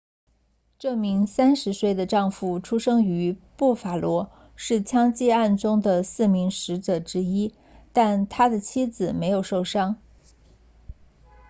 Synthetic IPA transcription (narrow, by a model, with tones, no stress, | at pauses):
ʈ͡ʂɤ˥˩mi˧˥ŋsa˥nʂɻ̩˧˥swe˥˩ɪd̪ə˩ʈ͡ʂɑ˥˧ŋfu˥˩ʈ͡ʂʰu˥ʂɤ˥ŋy˧˥pu˥˩fa˨˩lwɔ˧˥ | ʂɻ̩˥˩t͡ɕʰjɑ˥ŋt͡ɕjɛ˥˧a˥˩nʈ͡ʂʊ˥ŋd̪ə˨sɹ̩˥˩mi˧˥ŋʂɻ̩˧˥ʈ͡ʂɤ˨˩ʈ͡ʂɻ̩˥i˥ | t̪a˥˩nt̪ʰa˥d̪ə˨t͡ɕʰi˥d͡zɹ̩˨˩me˧˥ɪjo˨˩ʊʂo˥˩ʊʂɑ˥ŋ